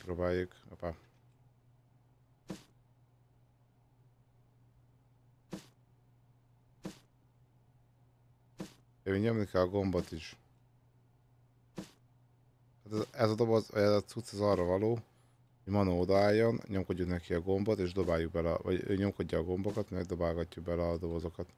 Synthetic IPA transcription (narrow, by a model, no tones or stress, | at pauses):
pɾoːbaːjːukopa | iɲo̞mlikɛlɒɡo̞mbot̪iʃ | hat̪ɛzɛzɒd̪o̞bozɒ̰jazɛt̪sut̪sɛzɒrːɒvɒloː | hoɟmɒnood̪ɒaːjːo̞nɲo̞mko̞ɟːuknɛkiɒɡo̞mbo̞t̪eːʒd̪o̞baːjːuɡ̚bɛlɛvɒ̰ɟø̰ːɲo̞mko̞ɟːɒːɡo̞mbo̞kɒt̪mɛɡd̪o̞baːlɡɒcːubɛlɛɒd̪o̞bozo̞kɒt̪